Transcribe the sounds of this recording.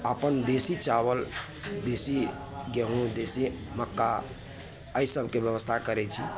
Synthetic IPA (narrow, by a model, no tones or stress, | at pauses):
əpənd̪esit͡ʃawəl | d̪esi | ɡeɦũd̪esiməkːa | əjsəbʱkebjəʋəst̪ʰakəɾɛt͡ʃʰi